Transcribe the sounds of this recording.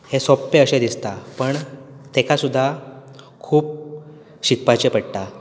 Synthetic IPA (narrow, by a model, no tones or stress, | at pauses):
hesɔpːeəɕẽd̪ist̪apəɳ | t̪ekʰasud̪ʱːa | kʰuːp̚ | ɕikpat͡ɕepəɽʈ̪a